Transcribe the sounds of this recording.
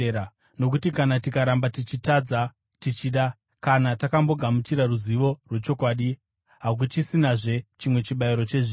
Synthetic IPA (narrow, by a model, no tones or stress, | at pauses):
a | no̞k̬utikanatikaɾambatit͡ʃitad͡za | tit͡ʃiːɗa | kanatakambo̞ɡʱamut͡ʃiɾaruziʋo̞rwe̞t͡ʃo̞kwaːɗi | ɦak̬ut͡ʃisinaʐe̞t͡ʃimwe̞t͡ʃiɓaiɾo̞t͡ʃe̞ʐiː